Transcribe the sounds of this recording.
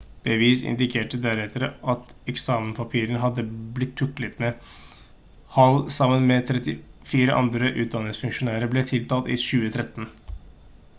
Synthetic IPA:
b̥əʋiːsɪ̰nd̪ɪkʰeːʈəd̪æɾɛt̪ʰːəɾəʔɑt̪ɛksɑːmənpʰɑpʰiːɾənɦɑd̪ːəblɪt̪ʰːʉklɪt̪mɛ | hɑlsɑmːənmɛt̪ʰɾɛt̪ɪfiːɾəʔɑ̰nd̪ɾəʔʉːt̪̚d̪ɑnːɪŋsfʉŋʂʊnæːɾəblɛt̪ʰɪlt̪ɑːt̪ɪ̰ʃʉːət̪ʰɾɛt̪ːən

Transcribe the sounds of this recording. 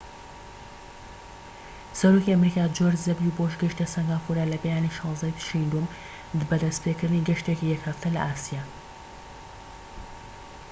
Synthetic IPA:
sɐɾoːkiɐmɾiːkaːd͡ʒoɾzɐbjuboʃɡɨʃt̪ɐsɐŋɡaːfuɾalɐbejaːniʃɑːzd̪ɐjt̪ʰʃind̪um | bɐd̪ɐst̪pekɨɾd̪ɨniːɡɐʃt̪ekijɛkhɐft̪ʰɐlɐ̰ʔaːsijaː

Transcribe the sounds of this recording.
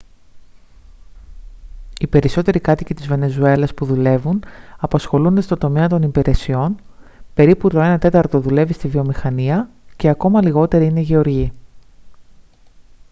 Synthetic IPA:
ipe̞ɾiso̞t̪e̞ɾikɐt̪icit̪izve̞ne̞zue̞lɐspuðule̞vunɐpɐsxo̞lund̪est̪o̞nd̪o̞me̞ɐt̪o̞nipiɾʔe̞sio̞n | pe̞ɾiput̪o̞e̞nɐt̪e̞t̪ɐɾt̪o̞ðule̞vist̪ivio̞mixɐniɐ | ce̞ɐko̞mɐliɣo̞t̪e̞ɾiine̞ʝe̞o̞ɾʝi

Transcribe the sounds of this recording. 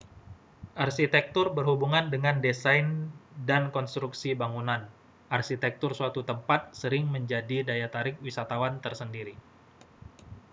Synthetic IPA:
ʔarsit̪ɛk̚t̪ʊrbərɦubuŋandəŋandesajndankɔnst̪ɾuksibaŋunan | ʔarsit̪ɛk̚t̪ʊrsuat̪ut̪əmpat̪̚səɾɪŋməɲd͡ʒadidajat̪aɾɪk̚wisat̪awant̪ərsəndiɾi

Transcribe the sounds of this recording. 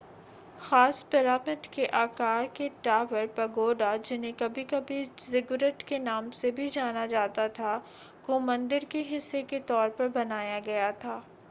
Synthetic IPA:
xaːspɛɾaːmɪʈkeʔaːkaːɾkeʈaːʋəɾpɐɡoːɖad͡ʒɪnẽkɐbʱikɐbʱizɪɡʊɾəʈkenaːmsebʱid͡ʒaːnad͡ʒaːt̪at̪ʰa | komɐ̃nd̪ɪɾkeɦɪsːeket̪ɔːɾpɐɾbɐnaːjaɡɐjat̪ʰaː

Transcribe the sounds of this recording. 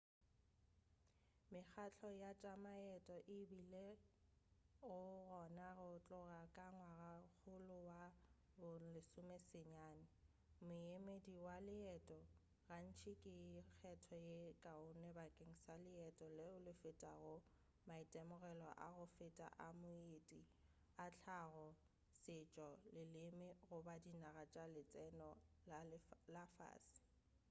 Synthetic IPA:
mɪk͡xʰat͡ɬʰɔjat͡ʃʼamaɛtʼɔʔɪbile | ʊɣɔnarʊt͡ɬʼʊrakʼaŋwaɣak͡xʰʊlʊwa | bʊlɪsʊmesɪɲaːnɪ | mʊemediwalɪɛtʼɔ | ran̩t͡ʃʰikʼɪk͡xʰɛtʰɔjekʼaʊnɛbakʼeŋ̩salɪɛtʼɔlɪʊlɪfɪtʼaɣʊ | maitʼɛmʊɣɛlɔ̰ʔa̰ɣʊfɪtʼa̰ʔamʊetʼi | at͡ɬʰaɣɔ | sɪt͡ʃʼɔlɪlɪmɪɣʊbadinaɣat͡ʃʼalɪt͡sʼɛnɔ | lafa̰ːsɪ̥

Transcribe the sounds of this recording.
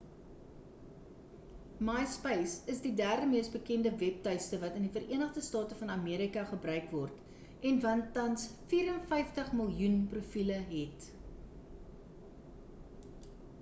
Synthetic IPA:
mɑjspɛjsəsdidæːrdəmiəsbəkɛndəvɛp̚tœɥstəvɐtəndifəɾʔiənəχdəstɑːtəfɐnɐmiəɾikɐχəbrœɥkvɔrt | ɛnvɐntɐnsfiːɾənfɛjftəχməlˠjunprufiləɦɛt

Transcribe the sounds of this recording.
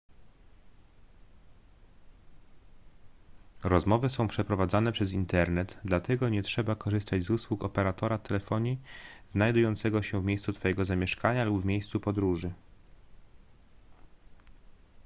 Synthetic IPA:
ɾɔzmɔvɘsɔ̃w̃pʂɛpɾɔvad̪zanɛpʂɛzint̪ɛɾnɛd̪d̪lat̪ɛɡɔɲɛtʂɛbakɔʐɘst̪ad͡ʑzuswukɔpɛɾat̪ɔɾat̪ɛlɛfɔɲiznajd̪ujɔnt̪sɛɡɔɕɛvmʲejst̪sut̪fɔjɛɡɔzamʲjɛʂkaɲalubvmʲejst̪supɔd̪ɾuʐɘ

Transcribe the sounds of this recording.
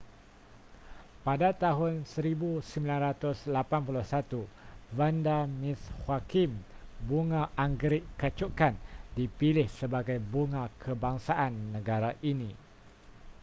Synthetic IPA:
padat̪aɦʊnsəɾibusəmbilanɾat̪ʊslapanpulʊhsat̪uvandamĩshwakimbuŋãʔaŋɡɾɪʔkat͡ʃukandipilɪhsəbaɡajbuŋãkʰəbaŋsaʔanːə̃ɡaɾaʔinĩ

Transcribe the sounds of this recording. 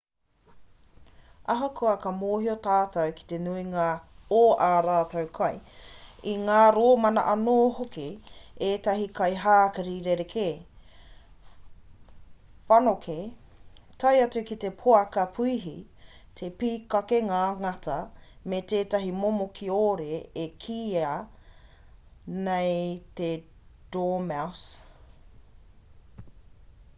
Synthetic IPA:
ɐɦokʰoɐkɐmoːɦiotaːtɐwki̥t̪enuiŋaoːʔaːɾaːtɐwkʰɐj | iŋaːɾoːmɐnɐ̰ʔɐnoːɦokieːtɐɦikɐjɦaːkɐɾiɾeɾekʰe | fɐnokʰe | tʰɐjɐtukit̪epʰoɐkɐpʰuiɦi | t̪ʰepiːkɐkeŋaːŋɐtʰɐmeteːtɐɦimomokʰioːɾeːkʰiːɐ | nejt̪e | d̥oːmaws

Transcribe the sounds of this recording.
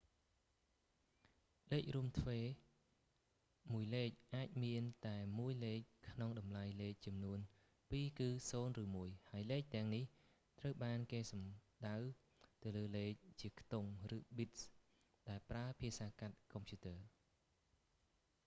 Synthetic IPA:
leːc̚ruəmt̪ʰʋeː | muəjleːc̚ʔaːc̚miənt̪aɛmuəjleːc̚kʰnoŋɗɑmlajleːc̚t͡ɕɑmnuən | piːkɨːsoːnrɨːmuəjhaəjleːc̚t̪ɛ̆əŋnih | t̪rəwɓaːnkeːsɑmɗaw | t̪ɨwləːleːc̚t͡ɕiəkʰt̪oŋrɨːɓit̪̚s | ɗaɛlpraəpʰiəsaːkat̪̚kɑmpʰjuːt̪əːə

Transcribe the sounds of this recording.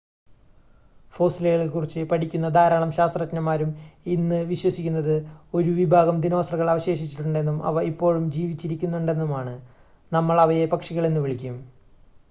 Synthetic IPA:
fo̞ːsilɐjɐɭilkurit͡ɕːɨpɐʈʰikʲːunːɐd̪aːɾaːɳɐmɕaːst̪rɐt͡ɕːɐnɐmaːɾuminːɨʋiɕwɐsikʲːunːɐðɨo̞ɾuʋibʱaːɡɐmd̪ino̞ːsrɐɣɐɭaːʋɐɕe̞ːɕit͡ɕːiʈːuɳɖe̞nːumɐ̰ʋɐipːo̞ːɻumd͡ʑiːʋit͡ɕːiɾikʲːunːuɳɖe̞nːumaːɳɨ | nɐmːɐɭɐʋɐjepɐkʂiɣɐɭe̞nːuʋiɭikʲːum

